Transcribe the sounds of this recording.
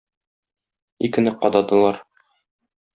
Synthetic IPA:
ikɘ̆nɘqɒd̪ɑd̪ɤ̆lˠɑɾ

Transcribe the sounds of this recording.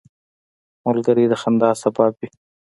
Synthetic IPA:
molɡəɾid̪əxand̪ɑːsabɑːbi

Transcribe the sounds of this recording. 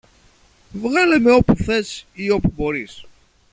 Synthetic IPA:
vɣalemeopuθɛsiopuboɾis

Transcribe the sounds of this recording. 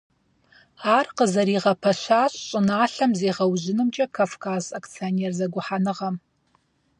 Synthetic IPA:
aːrqəzɐɾiːʁɐpʰɐɕaːɕɕʼɪnaːɬɐmzeːʁɐwʑɪnɨmt͡ʃʼɐkʰafkʰaːzakt͡sʰijoneːrzɐɡʷʊħanɨʁɐm

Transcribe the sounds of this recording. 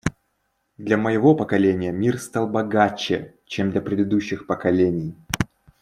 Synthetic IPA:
d̪lʲɐməjɪvo̞pəkɐlʲenʲɪjəmʲirst̪ɑlˠbɐɡat͡ɕːɪ | t͡ɕemd̪lʲɐpɾʲɪd̪ɨd̪uɕːɪxpəkɐlʲenʲɪj

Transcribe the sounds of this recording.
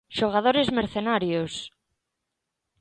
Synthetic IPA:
ʃoɣ̞aðoɾezmeɾθenaɾjos

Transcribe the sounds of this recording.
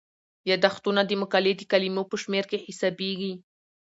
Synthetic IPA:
jad̪aχt̪unad̪ɪmʊkaled̪ɪkalɪmopəʃmeɾkehɪsabeɡi

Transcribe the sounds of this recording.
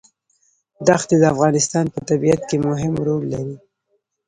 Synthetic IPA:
d̪axt̪ed̪əafɣɑnɪst̪ɑnpət̪abiat̪kemʊɦɪmɾolːaɾi

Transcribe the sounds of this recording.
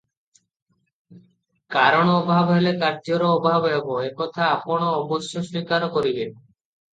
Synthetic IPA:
kaɾɔɽ̃ɔbʱabɦelekaɾd͡ʒoɾoobʱabɦeboekɔt̪ʰaapoɽ̃oɔboʃjoswikaɾokoɾiben

